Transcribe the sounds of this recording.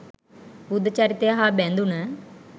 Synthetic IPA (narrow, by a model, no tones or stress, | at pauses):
bud̪t͡ʃaɾit̪eɦabɛ̃nd̪unə